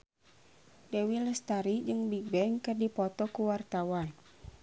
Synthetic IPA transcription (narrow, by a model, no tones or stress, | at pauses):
dɛwiləst̪aɾid͡ʒɨŋbibɛŋkɨrdipɔt̪ɔkuwart̪awan